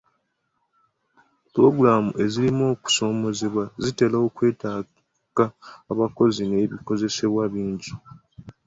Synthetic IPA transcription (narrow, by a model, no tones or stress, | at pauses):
puɾo̞ɡuɾamuʔe̞zilimo̞ːku̥so̞ːmo̞zeβwazite̞lao̞kwe̞ːtaː | kaːβako̞zine̞ːβiko̞ze̞se̞βwaβiːɲɟu